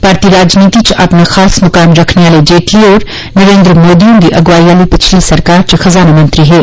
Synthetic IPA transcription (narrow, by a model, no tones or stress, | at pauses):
paːɾt̪iɾaːd͡ʒniːt̪it͡ʃʔɐ̰pnaxaːsmɐkaːmɾɐkʰneʋaːled͡ʒeːʈliɔːɾ | nɐɾẽːnd̪ɾəmoːd̪ijõd̪iʔɐɡʋaːiʋaːlipɐt͡ʃʰlisɐɾkaːɾt͡ʃxɐzaːnamɐ̃nt̪ɾiɦɛː